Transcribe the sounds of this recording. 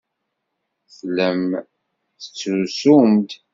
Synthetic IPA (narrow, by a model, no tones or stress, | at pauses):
θləm | θə̥t͡sːusumd̪